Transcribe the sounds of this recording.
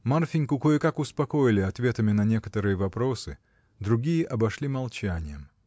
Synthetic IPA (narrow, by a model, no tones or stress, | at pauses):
marfʲinʲkʊkojɪkakʊspɐko̞jɪlʲɪɐt̪vʲe̞t̪əmʲɪnɐnʲe̞kə̥t̪əɾɨjəvɐpɾo̞sɨ | d̪ɾʊɡʲijəʔɐbɐʂlʲimɐlˠt͡ɕænʲɪjəm